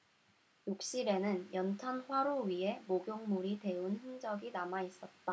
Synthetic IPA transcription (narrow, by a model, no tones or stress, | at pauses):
jok̚ɕ͈iɾe̞nɯnjʌntʰanɸwaɾoɥiɦe̞moɡjoŋmuɾite̞unçiŋd͡ʑʌɡinamais͈ʌt̚t͈a